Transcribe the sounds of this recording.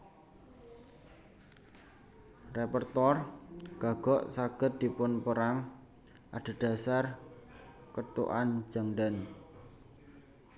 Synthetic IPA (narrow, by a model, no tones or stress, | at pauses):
repərt̪ɔrɡ̥a̤ɡ̥ɔʔsaɡ̥ə̤t̪̚d̪̥i̤pʊnpəɾaŋ | ʔaɖ̥a̤ɖ̥a̤sar | kət̪ṵʔand͡ʒ̥a̤ŋɖan